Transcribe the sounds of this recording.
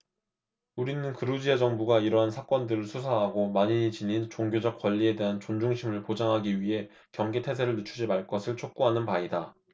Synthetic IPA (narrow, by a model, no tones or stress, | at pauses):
uɾinɯnkɯɾud͡ʑied͡ʑʌŋbuɡaiɾʌɦansʰak͈wʌndɯɾɯɭsʰusʰaɦaɡomaɲiɲit͡ɕinint͡ɕoŋɡjod͡ʑʌk̚k͈waʎːie̞de̞ɦant͡ɕond͡ʑuŋɕʰimɯɭpod͡ʑaŋɦaɡiɥiɦe̞ | kjʌŋɡetʰe̞s̬ʰeɾɯɭnɯt͡ɕʰud͡ʑimaɭk͈ʌsʰɯɭt͡ɕʰok̚k͈uɦanɯnpaida